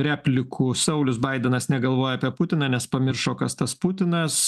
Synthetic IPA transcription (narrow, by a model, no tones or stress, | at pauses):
ɾʲæːpʲlʲɪkʰuːsɐʊlʲʊsbɐɪd̪ʲɛnɐsnʲɛɡɐlˠʋoːjɛɐːpʲiɛput̪ʲɪnɑːnʲɛspɐmʲɪɾʃoːkɐst̪ɐsput̪ʲɪnɐs